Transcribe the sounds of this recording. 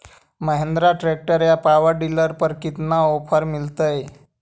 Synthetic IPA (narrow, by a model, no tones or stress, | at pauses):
məɦend̪ɾaʈɾek̚ʈəɾjapaʋəɾɖiləɾpəɾkit̪naopʰəɾmilt̪əj